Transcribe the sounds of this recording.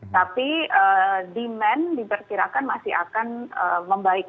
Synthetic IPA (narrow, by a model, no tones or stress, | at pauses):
t̪apiədimɛndipərkiɾakanmasɪɦa̰kanə̰məmbaɪk̚